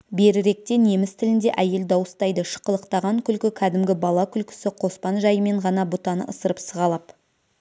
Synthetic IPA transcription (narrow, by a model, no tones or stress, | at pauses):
be̞ɾɪɾe̞k̚t̪e̞ne̞mɪst̪ʰɪlɪnd̪e̞ʔæje̞ld̪ɑwəst̪ɑjd̪əʃə̥qəlˠəqt̪ɑʁɑŋkʲʰʏlkʲɪkʲʰæd̪ɪmɡʲɪbɑlˠɑkʲʰʏlkʲɪ̥sɪqʰo̞spɑnʒɑjəme̞ɴʁɑnɑbʊt̪ɑnə̰ʔəsəɾəpsəʁɑlˠɑp